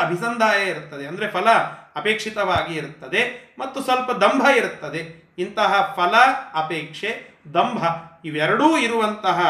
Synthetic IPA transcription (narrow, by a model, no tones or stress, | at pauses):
ɐbʱisɐnd̪ʱaːjɐiɾut̪ːɐd̪eɐnd̪ɐɾepʰɐlɐːpeːkʂit̪ɐʋaːɡiːɾut̪ːɐd̪e̞mɐt̪ːusʋɐlpɐd̪ɐmbʱɐiɾut̪ːɐd̪e̞ | int̪ɐɦɐpʰɐlɐɐpeːkʂed̪ɐmbʱɐiʋɛɾɐɽuːiɾuʋɐnt̪ɐɦɐ